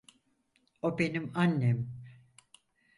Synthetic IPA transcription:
obenimanːem

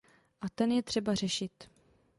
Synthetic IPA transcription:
ʔat̪ɛnjɛt̪r̥ɛbar̝ɛʃɪt̪

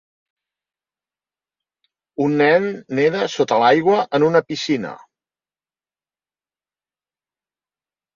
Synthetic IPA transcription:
unːɛnːeðəsot̪əlajɣwəʔənunəpisinə̰

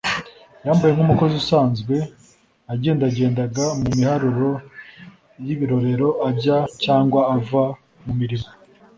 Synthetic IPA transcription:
jaːmbaje̞ŋhumuko̞ziusaːnzɡwe̞ | aɟe̞ːndaɟe̞ːndaɡamumihaɾuɾo̞ | jiβiɾo̞ɾe̞ɾo̞ʔaɟacaːŋɡwaːva | mumiɾimo

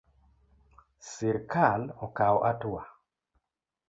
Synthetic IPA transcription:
siɾkalɔkawɔʔatʊwa

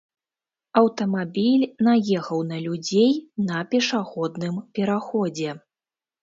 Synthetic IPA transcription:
ɐwt̪ɐmabʲilʲnajɛxɐwnɐlʲud͡zʲejnɐpʲɛʂaɣɔd̪nɨmpʲɛɾaxɔd͡zʲɛ

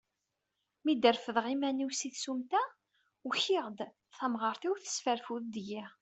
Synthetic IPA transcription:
mid̪əɾfəðʁimæniwsiθsumt̪æ | wçiʁd̪ | θæmʁəɾˤθiwθə̥sfəɾfuðd̪ji

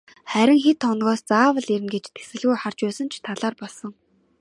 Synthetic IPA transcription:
χæɾʲɪ̆ŋxet̪ʰːɔnɣɔːst͡saːwə̆ɮiɾɘ̆nɡet͡ɕt̪ʰe̥sɘ̆ɮɣujχar̥t͡ɕpæːsə̆nt͡ɕʰt̪ʰaɮaːrpɔɮsɞ̆ŋ

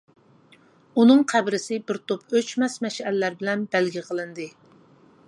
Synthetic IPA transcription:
unɨŋqʰæbɾɪsɪbɪɾt̪ʰopøt͡ʃmɛsmɛʃɛlːæɾbɪlɛnbælɡʲɪqʰəlˠɨnd̪ɨ

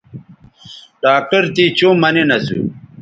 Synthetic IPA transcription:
ɖaːk̚ʈɐɾt̪it͡ɕuːmɐninɐsṵ

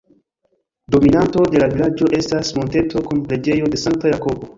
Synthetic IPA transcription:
do̞minanto̞delavilad͡ʒo̞ʔe̞stasmo̞nte̞tʰo̞kunple̞d͡ʒe̞jo̞de̞saŋk̚tajako̞bo̞

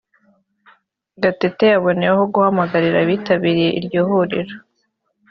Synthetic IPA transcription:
ɡatetejaβo̞nejeɦoɡuhamaɡaɾiɾaβiːtaβiɾije̞ʔiɾɟoːhuɾiɾo

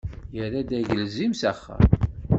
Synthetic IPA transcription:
jəɾæd̪æʝəlzimsæχːə̰

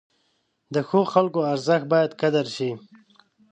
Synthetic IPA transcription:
d̪əxoxalkoaɾzəxbɑjad̪kad̪aɾʃi

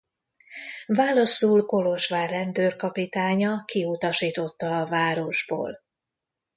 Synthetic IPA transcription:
vaːlɒsulko̞lo̞ʃʋaːrɛnd̪øːrkɒpit̪aːɲɒkiut̪ɒʃiːt̪o̞t̪ːɒːvaːɾo̞ʒbo̰ːl

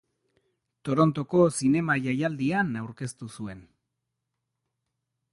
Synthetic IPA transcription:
t̪o̞ɾo̞nt̪o̞ko̞sine̞maʝajald̪ianawɾke̞st̪usue̞n

